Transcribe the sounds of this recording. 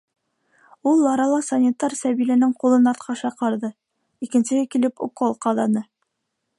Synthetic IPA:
ulˠːɑɾɑlˠɑsɐnʲit̪ːɑɾsæβilænɘŋqulˠɤnɑɾt̪̚qʰɑʃɑqɑɾðɤ | ikɘ̆nsɘ̆hɘkilɘpṵkolˠqɑðɑnɤ

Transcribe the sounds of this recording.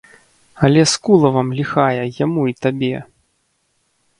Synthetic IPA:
ɐlʲɛskulˠɐvɐmlʲixajɛjamuit̪abʲɛ

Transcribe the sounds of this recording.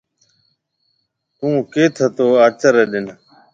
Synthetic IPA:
t̪ũːkeːt̪ʰət̪oːaːt͡ʃəɾeːɗɪn

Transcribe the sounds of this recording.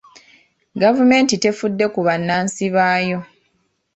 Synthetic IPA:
ɡavume̞ːntite̞fudːe̞kuβanːaːnsiβaːjo̞

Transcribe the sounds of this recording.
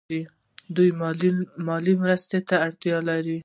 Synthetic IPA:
i | d̪ujmɑlimɾəst̪et̪aːɽt̪jɑlaɾi

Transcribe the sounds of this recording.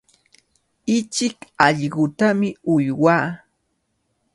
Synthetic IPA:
ɪt͡ʃɪkɑʎɢʊt̪amɪʊjwaː

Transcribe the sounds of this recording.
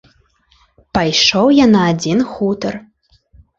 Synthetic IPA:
pajʂowjanaːd͡zʲinxut̪ər

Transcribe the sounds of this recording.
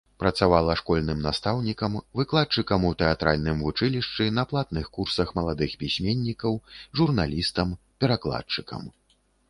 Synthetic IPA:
pɾɐt̪savalˠɐʂkɔlʲnɨmnast̪awnʲikɐmvɨklˠat̚t͡ʂɨkɐmut̪ɛat̪ɾalʲnɨmvut͡ʂɨlʲiʂt͡ʂɨnɐplˠat̪nɨxkursɐxmɐlˠad̪ɨxpʲisʲmʲenʲːikɐwʐurnalʲist̪ɐm | pʲɛɾaklˠa̰tt͡ʂɨkʰɐ̰m

